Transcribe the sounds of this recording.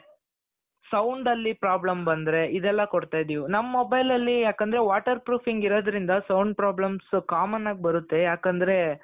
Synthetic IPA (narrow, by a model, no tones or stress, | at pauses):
sɐwɳɖɐlːipɾaːblɐmbɐnd̪ɾe̞id̪ɛlːɐkoɽt̪aːjd̪ijunɐmːɐːobɐjlɐlːijaːkɐnd̪ɐɾeʋaːʈɐɾpɾuːpʰiŋɡiɾoːd̪ɐɾind̪ɐsɐwɳɖ̚pɾaːblɐmskaːmɐnːaːɡ̚bɐɾut̪ːe̞jaːkɐnd̪ɐɾe̞